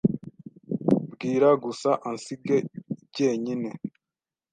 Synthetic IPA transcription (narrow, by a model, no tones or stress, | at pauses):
bɡiːɾaɡusaʔansiɡeiɟe̞ːɲine̞